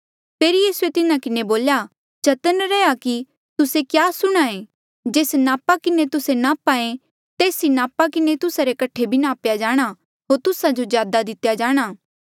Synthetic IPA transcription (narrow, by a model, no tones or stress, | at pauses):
pʰeːɾijiːsuet̪ɪnãkɪneboːlja | t͡ʃɐt̪ənɾɛjaki | t̪ʊsekjaːsʊɽ̃aẽ | d͡ʒeːsnaːpakɪnet̪ʊsenaːpaẽ | t̪eːsinaːpakɪnet̪ʊsaɾekɐʈʰːebʱɪnaːpjad͡ʒaːɽ̃a | ɦoːɾt̪ʊsad͡ʒozjaːd̪ad̪ɪt̪jad͡ʒaːɽ̃aː